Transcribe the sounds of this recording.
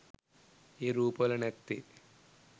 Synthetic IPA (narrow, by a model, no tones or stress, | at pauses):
iɾuːpɐlɐnet̪ːi